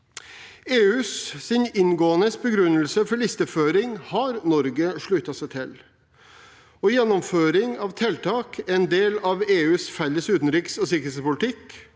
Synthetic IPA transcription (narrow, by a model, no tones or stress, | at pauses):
eːʉːssɪnɪnɡoːənəsbəɡɾʉnəlsəfɔɭɪst̪əføːɾɪŋhɑɾnɔɾɡəʂɭʉːt̪ɑsæt̪ʰɪl | ɔjɛnːɔmføːɾɪŋɑʋt̪ʰɛlt̪ʰɑːkʰɛnd̪eːlɑʋeːʉːsfɛlːəsʉːt̪n̩ɾiːksɔsɪkɾhet̪spʊlɪt̪ʰɪk